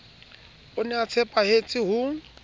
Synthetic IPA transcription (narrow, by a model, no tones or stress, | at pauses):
ʊnɛat͡sʰɛpʼahet͡sʼɪɦʊŋ̩